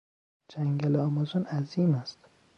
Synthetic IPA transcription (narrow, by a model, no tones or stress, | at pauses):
d͡ʒæŋɡælɒmɔzonæziːmæst̪